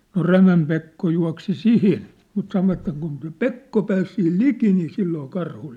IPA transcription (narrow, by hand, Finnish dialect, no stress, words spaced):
no ræmæm pekːo juɑ̝ksi sihin mut sɑnoʋɑtˑ et kun se pekːo pæːs sihil liki niː silːoː kɑrhu